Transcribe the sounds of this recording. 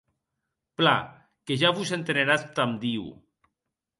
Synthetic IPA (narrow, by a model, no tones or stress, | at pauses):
pla | keʒaβusent̪eneɾast̪amd̪iw